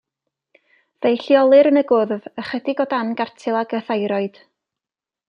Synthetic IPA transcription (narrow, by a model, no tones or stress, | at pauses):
vejɬjɔlˠɨɾənəɡʊðvəχɛdɪɡɔdanɡartʰɪlˠaɡəθajɾɔɨd̥